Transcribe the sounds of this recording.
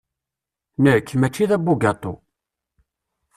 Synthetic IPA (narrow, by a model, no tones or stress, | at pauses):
nəkːmæt͡ʃːiðæbːuɡɑt̪ˤo̰